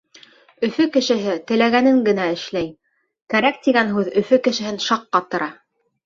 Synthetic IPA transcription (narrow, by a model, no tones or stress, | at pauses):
ɵ̆fɵkɘ̆ʃɘ̆ɦɘt̪ɘ̆læɣænɘŋɡɘ̆næɘ̆ʃlæj | kæɾæk̚t̪iɡænɦʉðɵ̆fɵkɘ̆ʃɘ̆ɦɘnʃɑqːɑt̪ɤ̆ɾʔɑ